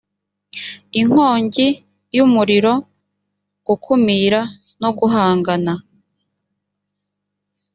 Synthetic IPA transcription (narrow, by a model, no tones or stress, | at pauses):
iŋ̥ho̞ːɲɟi | jumuɾiɾo̞ | ɡ̥ukʰumiːɾa | no̞ɡuɦaːŋɡana